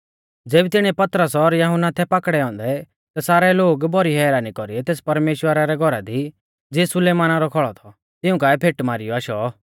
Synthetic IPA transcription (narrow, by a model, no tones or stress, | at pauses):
d͡zeːbit̪ɪɽ̃iɛpɐt̪ɾəsɔɾjɐɦʊnːat̪ʰɛpakɽɛɔ̃ːnd̪ɛ | t̪asaːɾɛloːɡbɔɾiɦɛːɾaːnikɔɾiɛt̪eːspɐɾmeːʃwəɾaɾɛɡʱɔɾad̪i | d͡zesʊleːmaːnaɾɔkʰɔɭɔt̪ʰɔ | t̪ɪʊ̃kaːɛpʰeːʈmaːɾɪjɔaːʃɔ